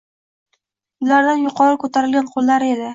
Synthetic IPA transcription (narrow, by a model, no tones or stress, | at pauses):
ʊlaɾd̪anjʊqʰɒɾkʰɵt̪ʰaɾɪlɡʲanqʰolˠːaɾe̞d̪ɪ